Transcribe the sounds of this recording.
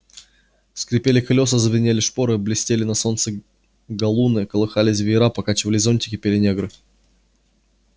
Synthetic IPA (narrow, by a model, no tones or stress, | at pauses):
skɾʲɪpʲelʲɪklʲo̞səzəvʲɪnʲelʲɪʂpoɾɨblʲɪsʲtʲelʲɪnɐso̞nt̪sɨ | ɡɐlˠunɨkəlˠɨxalʲɪs̬ʲvʲɪɾapɐkat͡ɕɪvəlʲɪzo̞nʲtʲɪ̥kʲɪpʲelʲɪnʲeɡɾɨ